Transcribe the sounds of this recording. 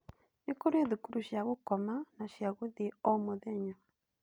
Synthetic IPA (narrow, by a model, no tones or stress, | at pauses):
jikuɾweðikuɾuʃjaɣukomanaʃjaɣuðiomuðeɲo